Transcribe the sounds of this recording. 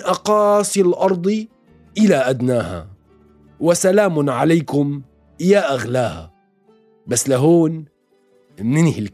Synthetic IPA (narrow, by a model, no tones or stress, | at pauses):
ʔɑqɑːsˤilʔɑɾˤd̪ˤi | ʔɪlaʔad̪naːha̰ | wɪsalaːmʕalajkʊm | jaːʔaɣlaːha̰ | basːlaɦoːn | nɪnhɪl